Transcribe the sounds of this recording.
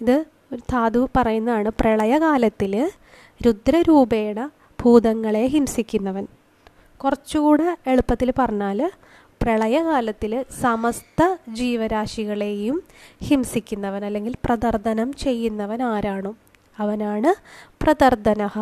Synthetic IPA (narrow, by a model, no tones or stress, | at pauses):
iðɨ | ot̪ʰaːd̪upɐrɐjunːɐðaːɳɨpreɭɐjɐkaːlɐt̪ːil | ɾud̪ɾɐɾuːbe̞ːɽɐ | b̥ʱuːðɐŋːɐɭe̞ɦimsikʲːunːɐʋɐn | kurɐt͡ɕːukuːɽeeɭupːɐt̪ːilpɐrɐɲːaːl | prɐɭɐjɐkaːlɐt̪ːilsɐmɐst̪ʰɐd͡ʑiːʋɐɾaːʂiɣɐɭe̞jumhimsikʲːunːɐʋɐnɐlːe̞ŋɡilprɐðɐrd̪ʱɐnɐmt͡ɕe̞jːunːɐʋɐnaːɾaːɳu | ɐʋɐnaːɳɨprɐðɐrd̪ʱɐnɐɣɐ